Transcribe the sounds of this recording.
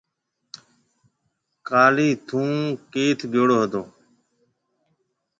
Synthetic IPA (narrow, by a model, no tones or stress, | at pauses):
kaːliːt̪ʰũːkeːt̪ʰɡjoːɽoːɦəd̪õː